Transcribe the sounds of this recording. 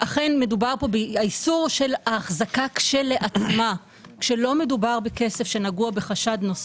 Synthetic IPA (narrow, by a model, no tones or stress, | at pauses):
ʔaχe̞nme̞dubaʁpo̞beaisuʁʃe̞laːχzakakʃele̞ʔat͡sma | kʃe̞lo̞me̞dubaʁbeke̞se̞fʃe̞naɡuabe̞χaʃadnos